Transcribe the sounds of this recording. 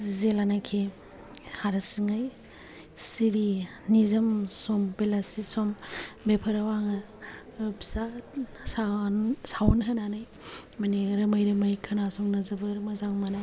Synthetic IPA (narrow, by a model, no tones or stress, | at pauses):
zelanakʰe | haɾɐsiŋaj | siɾi | nizɐmsɔmbelasisɔmbepʰɐɾawaŋɐ | ɾpʰsa | sansawnɦananɯj | mɐniɾɐmajɾɯmajkʰɐnasɔŋnɐzɐbɐɾmɐzaŋmana